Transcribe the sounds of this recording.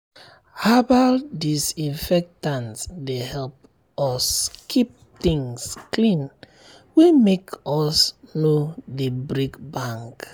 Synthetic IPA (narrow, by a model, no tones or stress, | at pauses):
abadisĩnfɛk̚tãnsdehɛlp | ɔskʰip̚tĩŋsklĩn | wemekɔsnodebɾikbãŋk